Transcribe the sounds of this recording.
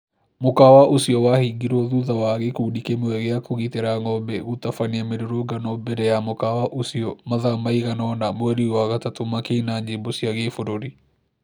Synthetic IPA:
mokawaʔosiɔwahiɡiɾɔðuðawaɣekuɗikemewɛɣeakoɣiteɾaŋɔbɛɣutafaniameɾoɾoɡanɔbɛɾɛjamokawaʔosiɔmaðamaiɣanɔnamwɛɾiwaɣatatomakenaɲd͡ʒebosiaɣefoɾoɾi

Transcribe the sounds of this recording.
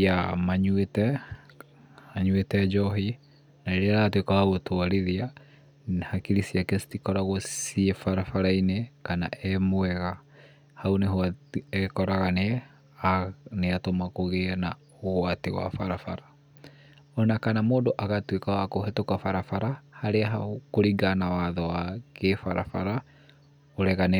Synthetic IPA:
amaɲwetɛ | aɲwetɛd͡ʒɔɦi | naeɾeɾaatwekawaɣotwaɾiðia | hakiɾisiakɛstikɔɾaɣɔsiefaɾafaɾainekana̰ʔɛmwɛɣa | hauneɦoaɛkɔɾaɣane | neatomakoɣena | oɣwatewa̰faɾafaɾa | ɔnakanamoːndoʔaɣatwekawakoɦɛtokwafaɾafaɾahaɾeaɦakoɾiɡanawaðɔwakefaɾa̰fa̰ɾa | oɾɛɣane

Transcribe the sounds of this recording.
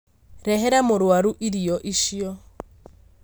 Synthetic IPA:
ɾɛɦɛɾamoɾwaɾuʔiɾiɔʔiʃiɔ

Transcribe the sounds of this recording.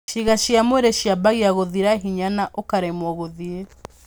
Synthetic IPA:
ʃiɣaʃiamoeɾeʃiabaɣiaɣoðiɾaɦiɲanaʔokaɾemwɔɣoðie

